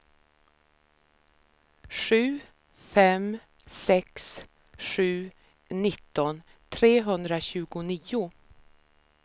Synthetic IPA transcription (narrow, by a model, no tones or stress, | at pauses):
ʂʉ̟ː | fɛm | sɛks | ʂʉ̟ː | nɪt̪ːɔn | t̪ʰɾeːɦɵnd̪ɾaɕʉ̟ːɡʊniːʊ